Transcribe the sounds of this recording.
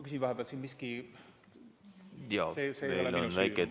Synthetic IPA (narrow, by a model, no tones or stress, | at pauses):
kys̬ʲivɑɦeb̥elt̪siːnmiski | jɑːsesejeollonvæjkːˑe